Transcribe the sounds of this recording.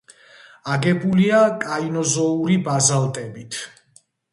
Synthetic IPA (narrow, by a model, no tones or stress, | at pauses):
aɡɛbuliakʼainɔzɔuɾibazalˠt̪ʼɛbit̪ʰ